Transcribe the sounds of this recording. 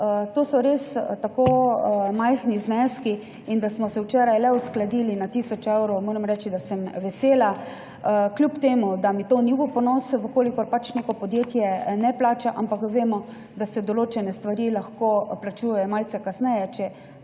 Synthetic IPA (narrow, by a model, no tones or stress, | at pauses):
t̪oːsɔɾest̪akoːmajxniznɛski | ind̪asmɔsɛwt͡ʃɛːɾajlɛusklad̪iːlinat̪iːsɔt͡ʃewɾɔʊmoːɾɛmɾɛːt͡ʃid̪asəmʋɛseːla | klʲjupt̪eːmud̪amit̪oːnibɔpɔnɔːsʋəkoːlikɔɾpat͡ʃnekɔpɔd̪jeːt̪jɛnɛplaːt͡ʃaʔampakʋeːmɔ | d̪asɛd̪ɔloːt͡ʃɛnɛst̪ʋaɾilaxkoplat͡ʃuːjɛjɔmalsɛkasnɛjɛt͡ʃɛ